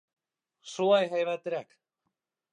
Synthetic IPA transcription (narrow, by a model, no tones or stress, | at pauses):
suajɦajβat̪eɾak